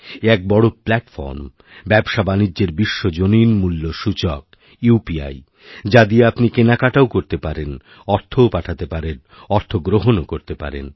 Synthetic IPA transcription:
ɛk̚bɔɽoplɛʈfɔ̰ɾm | bɛbʃabanid͡ʑʑeɾbiʃːod͡ʑoninmulːoʃut͡ɕɔk̚ | upia̰j | d͡ʑad̪ieapnikenakaʈaokoɾt̪epaɾen | ɔɾt̪ʰoopaʈʰat̪epaɾen | ɔɾt̪ʰoɡɾoɦonokoɾt̪epa̰ɾḛn

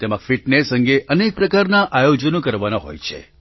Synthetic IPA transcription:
t̪emãkfiʈnesə̃ŋɡeʔənek̚pɾəkaɾnaʔajod͡ʒənõkəɾʋanaɦo̰jt͡ʃʰḛ

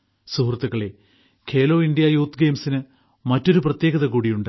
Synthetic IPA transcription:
suɦrt̪ːuɣɐɭe | kʰe̞ːlo̞ːindijajuːt̪ːɡe̞ːmsinɨ | mɐtːo̞ɾup̬rɐt̪je̞ːɣɐðɐkuːɽijuɳɖɨ

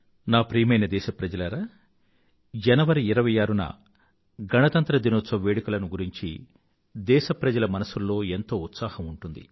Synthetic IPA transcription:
naːpɾiːmɐjnɐd̪ɛːʃɐpɾɐd͡ʒɐlɐɾaː | d͡ʒɐnɐʋɐɾiːɾɐʋɐjaːɾunɐ̰ | ɡɐnɐt̪ɐnt̪ɾɐd̪inot̪sɐʋeːɽikulɐnuɡuɾiɲt͡ʃḭ | d̪ɛːʃɐpɾɐd͡ʒɐlɐmɐnɐsulːo̞ːe̞nt̪o̞ːut̪saːhɐmuɳʈund̪ḭ

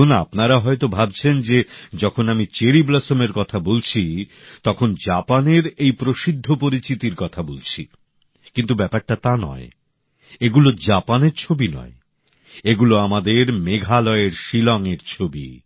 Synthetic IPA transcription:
ona̰pnaɾaɦɔet̪obʱab̚t͡ɕʰend͡ʑed͡ʑɔkʰonamit͡ɕeɾiblasomeɾkɔt̪ʰabolt͡ɕʰi | t̪ɔkʰond͡ʑapaneɾejpɾoʃid̪ʱːopoɾit͡ɕit̪iɾkɔt̪ʰabolt͡ɕʰi | kint̪̬ubɛpaɾʈat̪anɔ̰e | eɡulod͡ʑapaneɾt͡ɕʰobinɔ̰e | eɡuloamad̪eɾmeɡʱalɔeɾʃilɔŋeɾt͡ɕʰobḭ

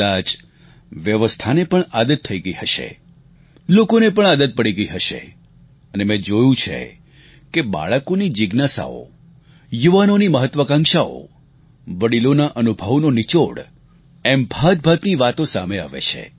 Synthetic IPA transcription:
at͡ʃ | ʋjəʋəst̪ʰanepəɳad̪ət̪ʰːəiɡəiɦəʃḛ | lokonepəɳ̃ad̪ət̪̚pəɽiɡəiɦəʃḛ | ənemẽd͡ʒojũt͡ʃʰḛ | keba̰ɭəkonid͡ʒɪɡnasa̰o̰ | juʋanoniməɦət̪ːʋəkãŋʃao̰ | ʋəɽilonaʔənubʱəʋnonit͡ʃoɽ | ɛmbʱad̪̚bʱat̪niʋat̪õsa̰mea̰ʋḛt͡ʃʰḛ

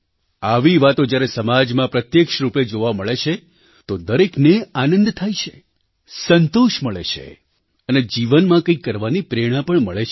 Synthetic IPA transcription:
aʋiʋat̪od͡ʒjaɾesəmad͡ʒmãpɾət̪jekʃɾuped͡ʒoʋaməɭet͡ʃʰe | t̪od̪əɾekneanənd̪t̪ʰait͡ʃʰe | sənt̪oʃməɭet͡ʃʰḛ | əned͡ʒiʋənmãkə̃ikːəɾʋanipɾeɽ̃ãpəɳməɭet͡ʃʰ

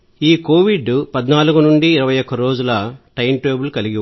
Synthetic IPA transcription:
iːko̞ːʋiɖpɐd̪naːluɡunuɳɖiːɾɐʋɐjɔkːɐɾo̞ːd͡ʒulɐʈɐjnʈeːbulkɐliɡi

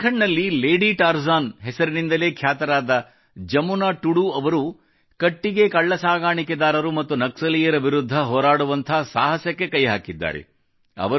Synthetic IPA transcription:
kʰɐɳnɐlːileːɖiʈaːɾzaːnɦɛsɐɾinind̪ɐle̞ːkʰjaːt̪ɐɾaːd̪ɐ | d͡ʒɐmunaːʈuɽuɐʋɐɾu | kɐʈːiɡe̞kɐɭːɐsaːɡaːɳikɛd̪aːɾɐɾumɐt̪ːunɐksɐlijɐɾɐʋiɾud̪ʱːɐɦɔːɾaːɽuʋɐnt̪ʰɐsaːɦɐsjɐkːe̞kɐjɦaːkid̪ːa̰ːɾḛ | ɐ̰ʋɐ

